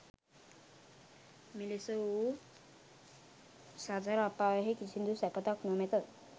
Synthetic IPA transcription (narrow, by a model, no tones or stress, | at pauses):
milesəu | sad͡zaɾapːaɦekit͡ɕʰind̪usɛpət̪aknomɛt̪ət̪